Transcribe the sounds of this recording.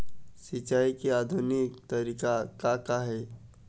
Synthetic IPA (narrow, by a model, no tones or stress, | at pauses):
sɪt͡ʃaːikeaːd̪ʱʊnɪkt̪əɾiːkakakaɦɛː